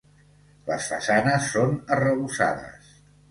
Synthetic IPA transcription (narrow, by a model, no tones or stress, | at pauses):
lə̰sfəsanəsːonərəβusa̰ðə̰s